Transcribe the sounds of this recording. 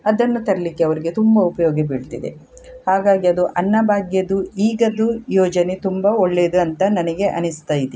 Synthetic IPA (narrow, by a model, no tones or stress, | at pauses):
ɐd̪ɐnːut̪ɐɾɐlikːeɐʋɐɾiɡe̞t̪umbɐupɐjɔːɡɐbiɭt̪id̪e̞̰ | haːɡaːɡiɐd̪uʔɐnːɐbaːɡjɐd̪uiːɡɐd̪ujɔːd͡ʒɐnet̪umbɐoɭːeːd̪uɐnt̪ɐnɐnɐɡe̞ʔɐ̰nist̪ɐjit̪e